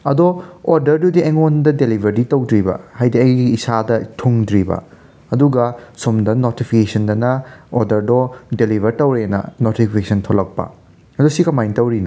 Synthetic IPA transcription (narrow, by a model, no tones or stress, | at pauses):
ɐdooɾdɐɾdudiɐjŋondɐdelibʱɐɾditɐwdɾibɐ̰hajdiɐjɡiiːsadɐtʰuŋdɾibɐ̰ | ɐduɡɐsomdɐnotipʰikesɐndɐnɐoɾdɐɾdodelibʱɐɾtɐwɾeenɐ̰notipʰikesʰɐntʰolɐk̚pɐ̰ | ɐdosikɐmajntɐwɾino̰